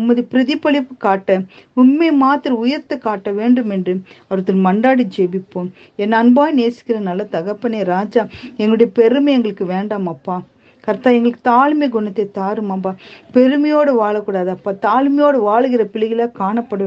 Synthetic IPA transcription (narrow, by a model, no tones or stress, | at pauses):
ʊmːɐðɯpɪɾɪðɪpːɐɭɪpːɯkaːʈːɐʊnmeːmaːt̪ɪɾɐʊjɐɾt̪ːɐkaːʈːɐʋeːɳɖɯmɛndrɯɐʋɐɾɯt̪ːɐnmɐɳɖaːɽid͡ʒeːbɪpːoː | ɛnːɐnbaːjneːsɪ̥kːɪɾɐnɐlːɐt̪ɐɣɐpːɐneːɾaːd͡ʒaːɛŋɡɐɭʊɽɐjɐpɛɾɯmɐɛŋɡɐɭɯkːɯʋeːɳɖaːmɐpːaː | kɐɾt̪ːaːɛŋɡɐɭɯkːɯ̥t̪aːɭmɐɡʊɳɐt̪ːet̪aːɾɯmambaːpɛɾɯmɐjoːɽɐʋaːɭɐkːuːɽaːðɯɐpːaːt̪aːɭmɐjoːɽɐʋaːɭɯɣɪɾɐpɪɭɐɣɪlaːkaːɳɐpːɐɽɐ